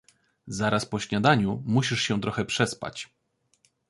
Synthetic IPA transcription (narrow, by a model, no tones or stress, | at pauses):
zaɾʔaspɔɕɲad̪aɲumuɕiʂɕɛ̃t̪ɾɔxɛpʂɛspa̰t͡ɕ